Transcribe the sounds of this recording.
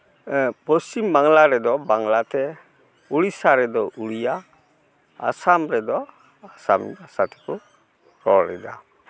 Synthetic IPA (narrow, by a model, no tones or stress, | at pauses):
pɔst͡ʃimbaŋlaɾɛd̪ɔbaŋlat̪ɛ | uɽisaɾɛd̪ɔʔuɽija̰ː | samɾɛd̪ɔ | asa̰masat̪ʰɛ̥ku | ɾɔɾɛ̰d̪a̰